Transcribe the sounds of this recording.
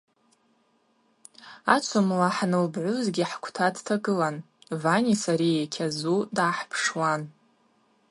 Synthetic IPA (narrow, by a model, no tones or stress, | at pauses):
at͡ʃʷʰomlaħnɨlbʕʷʊzɡʲiħkʷʰtʰadtʰaɡɨlan | vanʲisaɾiekʲʰazudaːħpʰʂwan